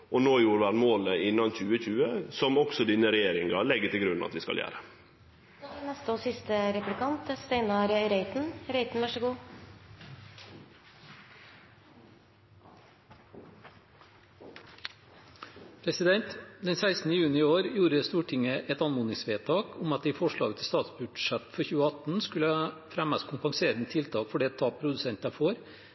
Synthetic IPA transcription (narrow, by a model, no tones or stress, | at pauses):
ʔonoːjuːɾəʋæɳmoːləɪnɑnçʉːəçʉːəsɔmɔksɔd̪iːnəɾɛjeːɾɪŋɑlɛɡːət̪ʰɪlɡɾʉnɑ̰t̪ʋɪːskɑ̰jæ̰ːɾə | nɛst̪əoːsɪst̪əɾɛplɪkɑnt̪st̪eɪnɑɾɾeɪt̪n̩ɾeɪt̪n̩ʋæʂəɡuː | pʰɾɛsɪd̪ɛnt̪d̪ɛnsæɪsnəjʉːnɪɪoːɾjuːɾəst̪uːʈʰɪŋəʔɛt̪ɑnmʊːnɪŋsʋeːt̪ʰɑːkʰʊmɑt̪̚d̪iːfɔʂɭɑ̰ːɡt̪ʰɪst̪ɑːt̪sbʉɖʂɛt̪fɔɾçʉːəɑt̪n̩skʉləfɾæmɑskʰʊmpɑŋseːɾənət̪ʰɪlt̪ʰɑːkfɔɖeːt̪ʰɑːpʰɾʊd̪ʉsɛnt̪əfoːɾ